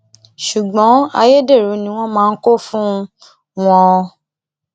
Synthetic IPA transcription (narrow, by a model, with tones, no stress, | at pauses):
ʃu˨ɡ͡bɔ̃˨˦a̰˧je˦de˦˨ɾu˨˦nĩ˨˧˦w̃ɔ̃˦mãː˦˧n̩˦ko˦fũ˦ | w̃ɔ̃˧